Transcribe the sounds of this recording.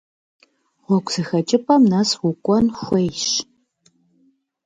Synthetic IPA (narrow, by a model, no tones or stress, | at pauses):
ʁʷɔkʷʼz̥ɨxɐt͡ʃʼɪpʰʼɐmnɐswʊkʷʼɔnxʷejɕ